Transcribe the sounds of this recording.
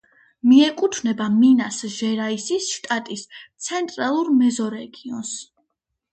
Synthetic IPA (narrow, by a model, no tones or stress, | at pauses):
miɛkʼut̪ʰvnɛbaminasʒɛɾaisisʃt̪ʼat̪ʼist̪sʰɛnt̪ʼɾalˠuɾmɛzɔɾɛɡiɔ̰ns